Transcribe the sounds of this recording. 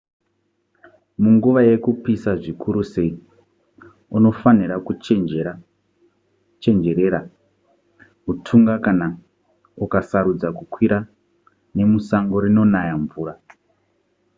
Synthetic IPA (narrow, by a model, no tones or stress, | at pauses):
muŋɡuʋaje̞kupisaʐikʰuɾuse̞i | uno̞faniɾakua | t͡ʃe̞nd͡ʒe̞ɾeɾa | utʰuŋɡakana | ukasaɾud͡zakukwiɾa | ne̞musaŋɡo̞ɾino̞najaɱvuːra